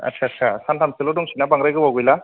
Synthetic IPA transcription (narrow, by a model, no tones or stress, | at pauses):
a̰t̚sʰatt͡ʃʰasantʰamsɯlɔdɔŋsinabaŋɾajɡɯbawɡɔjla